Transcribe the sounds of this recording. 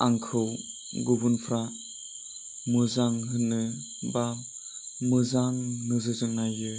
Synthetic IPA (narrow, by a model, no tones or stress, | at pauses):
aŋkʰɯw | ɡubunpʰɾa | mɯzaŋɦɯnɯ | ba | mɯzaŋnɯzɯzɯŋnajɯ